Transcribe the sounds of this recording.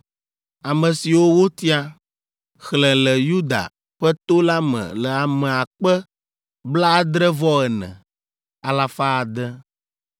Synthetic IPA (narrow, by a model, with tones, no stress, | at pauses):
a˨mə̃˨si˨wo˦wo˦t̪i˦a˦ | xlɛ̃˨lɛ˨ju˦d̪a̰˨ | ɸɛ˦t̪o˦la˦mɛ̰̃˨lɛ˨a˨mɛ̃˨a˨k͡pɛ˦ | bla˦d̪ɾɛ˦vɔ˦ɛ˨nɛ̰̃˨ | a˨la˨fa˦a˨d̪ɛ˦